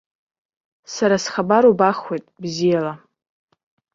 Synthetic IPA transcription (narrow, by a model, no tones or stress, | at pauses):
saɾasχabaɾobaχwejtʼbzijala